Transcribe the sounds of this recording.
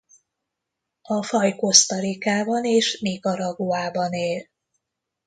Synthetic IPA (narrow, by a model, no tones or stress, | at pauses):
ɒfɒjko̞st̪ɒɾikaːbɒneːʃniːɡɒɾɒɡoaːbɒneːl